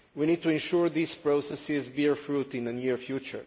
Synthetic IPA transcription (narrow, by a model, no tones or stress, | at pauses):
winid̚t̪uɛ̃nʃuɹd̪iːspɹosɛsɪzbiɹfɹutɪ̃nənjiɹfjut͡ʃə̰ɹ